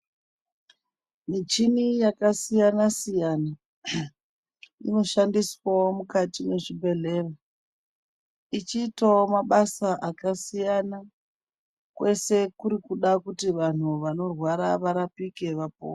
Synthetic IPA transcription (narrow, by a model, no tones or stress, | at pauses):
mit͡ʃinijakasijanasijana | ḭno̞ʃandiswaomukatine̞ʐibʱe̞ɮe̞ːra | it͡ʃiːtaomaɓasaʔakasijana | kwe̞se̞kuɾikuɗakutiʋan̤uʋano̞rwaɾaʋaɾapike̞ʋap̚o̰ː